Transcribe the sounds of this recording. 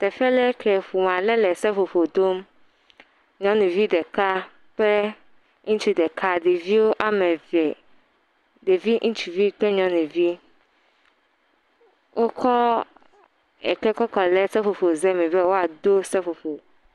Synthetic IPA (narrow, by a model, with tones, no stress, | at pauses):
t̪ɛ˨fɛ˦lɛ˦kʰɛ˨ɸu˨m˨ã˨lɛ˦lɛ˨sɛ˦fo˨ɸo˨d̪o˦m | ɲɔ̃˦nũ˨vi˦ɖ̪ɛ˨ka˦ | k͡plɛ˦ | ŋũ˦t͡ʃu˨d̪ɛ˨kʰa˦ɖe˨vi˦wo˦ʔa˦mɛ̃˨vɛ˨ | ɖe˨vi˦ŋũ˦t͡ʃu˨vi˦k͡pɛ˦ɲɔ̃˦nũ˨vi˦ | wʔo˦kʰɔ˦ | ɛ̰˨kɛ˦kɔ˦kɔ˨lɛ˦sɛ˦fo˨ɸo˨zɛ˦mĩ˨bɛ˦wo˦a˨d̪o˦sɛ˦fo˨ɸo˨